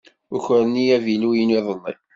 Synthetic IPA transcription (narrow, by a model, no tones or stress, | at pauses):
ʊçəɾnijævilujəniðˤənːḭ